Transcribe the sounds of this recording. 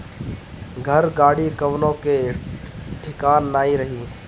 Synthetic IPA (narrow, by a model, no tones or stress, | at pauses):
ɡʱɐɾɡaːɽikɐʋnõke | ʈʰɪkaːnːaːiɾɐɦiː